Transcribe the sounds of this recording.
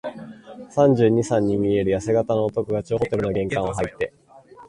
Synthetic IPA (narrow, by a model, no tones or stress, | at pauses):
sãɲ̟d͡ʑɨːɲ̟isãɲ̟ːimʲie̞ɾɯ̟jase̞ɡat̪ano̞ːt̪o̞kɯ̟ɡat͡ɕoːɦot̪e̞ɾɯ̟noɡẽ̞ŋkãɰ̃ɦait̪ːe̞